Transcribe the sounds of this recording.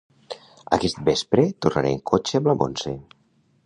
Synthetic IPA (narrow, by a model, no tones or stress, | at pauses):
ə̰kɛst̪̚bespɾet̪urna̰ɾḛŋkʰot͡ʃeəmləmo̰nse